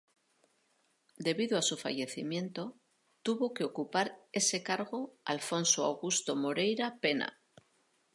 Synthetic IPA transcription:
d̪e̞βiðoasufa̰ʝe̞θimje̞nt̪o | t̪uβo̞ke̞o̞kupaɾe̞se̞kaɾɣ̞o̞a̰lfo̞nsoa̰wɣust̪o̞mo̞ɾe̞jɾape̞na̰

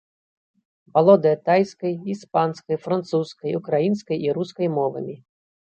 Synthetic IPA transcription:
bɐlˠɔd̪ɐt̪ajsʲkɐjispɑnsʲkɐjfɾant̪suskɐjukɾajinsʲkɐjiɾuskɔjmɔʋɐ̰mʲi

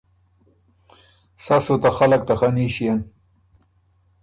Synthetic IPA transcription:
sasot̪axalak̚t̪axaniɕijan

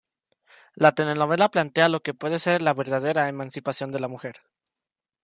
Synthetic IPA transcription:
lat̪e̞le̞no̞βe̞laplant̪e̞alo̞ke̞pwe̞ðe̞se̞ɾlaβe̞ɾðað̞e̞ɾaemãnsipasjo̞nd̪e̞lamuxe̞ɾ

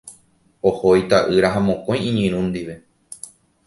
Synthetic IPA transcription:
ohojt̪aʔɨɾaɦamõ̞kõ̞j̃ĩɲĩɾ̃ũnd̪iʋe̞

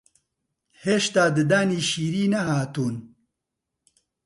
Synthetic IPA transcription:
heːʃt̪aːd̪ɨd̪aːniːʃiːɾiːnɐhaːt̪uːn

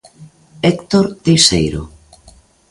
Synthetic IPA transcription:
ekt̪oɾt̪ejsḛjɾo̰

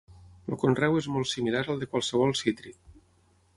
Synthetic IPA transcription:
lo̰konrɛwezmɔlˠt̪similaɾəlˠd̪əkwalˠsəβ̞ɔlˠsit̪ɾik̚

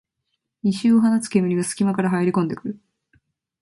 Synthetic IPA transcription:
ɲʲiɕɨːoɦanat͡sɨ̥ke̞mɯɾʲiɡasɨ̥kʲimakaɾaɦajeɾʲikõ̞nd̪e̞kɯ̟ɾɯ̟

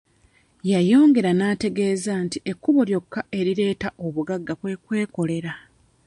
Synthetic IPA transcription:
jajo̞ːŋɡe̞ɾanaːte̞ɡe̞ːzaːntie̞kːuβo̞ljo̞kːaʔe̞ɾiɾe̞ːtaʔo̞βuɡaɡːakwe̞kwe̞ːko̞le̞ɾa

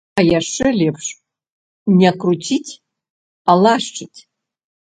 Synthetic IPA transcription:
ajaʂɨlʲepʰʂ | nʲakʰrutʰitʲʰ | alaʂʈ͡ʂʰʼɨtʲʰ

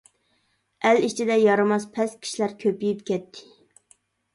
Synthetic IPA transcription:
æliʃt͡ʃʰid̪ɛjɑɾɨmɑspʰɛskʲʰi̥ʃlæɾkʲʰøpijipkʲʰɛt̪ʰːɪ̥

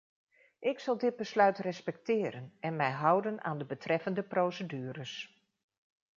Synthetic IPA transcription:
ʔɪksɑlˠdɪd̚bəslœɥtrɛspɛk̚tɪːɾənɛnmɛjɦʌwdəna̰ːndəbətrɛfəndəprowsədyːəɾəs

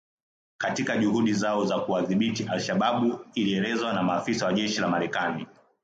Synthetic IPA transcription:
katikaʄuhuɗizaɔzakuaðiɓitiʔalʃaɓaɓuiliɛlɛzwanamaːfisawaʄɛʃilamaɾɛkani

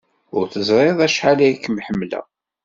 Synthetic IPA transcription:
ʊɾθəzˤɾˤeðˤæʃħalæjkːəmħəmːlæ̰

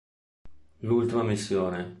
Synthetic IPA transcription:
lult̪imamisːjoːne

